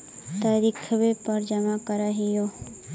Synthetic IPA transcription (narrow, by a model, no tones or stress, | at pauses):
t̪aɾikʰʋepəɾd͡ʒəmakəɾaɦijo